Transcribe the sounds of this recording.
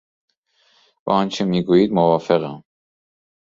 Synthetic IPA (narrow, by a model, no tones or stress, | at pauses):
bæ̰ɒnt͡ʃʰemiːɡuːjiːd̪movɒːfeɣæm